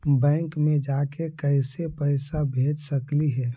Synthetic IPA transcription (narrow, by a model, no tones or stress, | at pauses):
bɛ̃ːŋkmed͡ʒakekəɪsepəɪsabʱed͡ʒsəkliɦɛː